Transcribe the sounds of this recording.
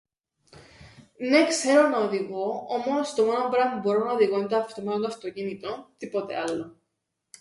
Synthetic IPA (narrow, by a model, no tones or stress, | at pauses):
ne̞kse̞ɾonɐoðiɣo̞omost̪omɐnombɾɐmuboɾonɐoðiɣoint̪oɐft̪omɐooɐft̪ocinit̪ont̪ipot̪e̞̰ɐlːo